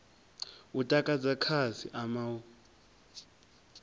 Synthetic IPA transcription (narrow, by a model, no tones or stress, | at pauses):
utʼakʼad͡zakʰazḭʔamawu